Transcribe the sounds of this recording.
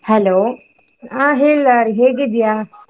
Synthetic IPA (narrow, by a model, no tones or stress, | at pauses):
hɛloː | ãɦillaɾiɦeɡid̪ija